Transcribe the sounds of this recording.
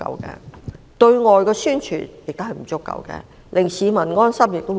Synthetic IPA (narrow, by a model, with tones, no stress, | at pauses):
ɐ̰˨˧wkɛ̰˧ | t̪ɵ˧ɥŋɔː˨jkɔː˧syː˥nt͡ʃʰy̰ː˨˩njɪ˨k̚t̪ɦɐ˨jm̩˨˩t͡sʊ˥kːɐ̰˨˧wkɛ̰˧ | lɪ˨˩ŋsiː˨˧mɐ˨˩nŋɔː˥nsɐ˥mjɪ˨k̚t̪o˥